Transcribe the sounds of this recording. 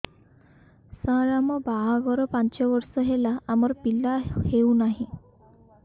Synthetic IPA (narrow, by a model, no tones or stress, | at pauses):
sãɾamɔbaɦaɡɔɾɔpãɲt͡ɕɔʋɔɾsɔɦelaamɔɾpilːaheunaɦĩ